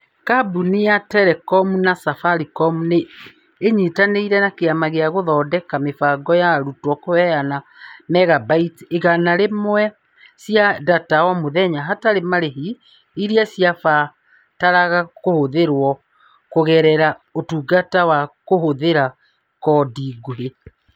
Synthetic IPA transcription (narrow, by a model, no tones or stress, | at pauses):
kabuniatɛɾɛkɔmunasafaɾikɔmuneː | ɲitaneiɾɛnakeamaɣeaɣoðɔːdɛkamefaɡɔjaɾutwɔkowɛanamɛɣabaiteɣanaɾemwɛ | sjadatawɔmoðɛɲaɦataɾemaɾeɦi | iɾiasiafa | taɾaɣakohoðeɾwɔ | koɣɛɾɛɾaotuːɡatawakohoðeɾa | kɔːdiɡoɦe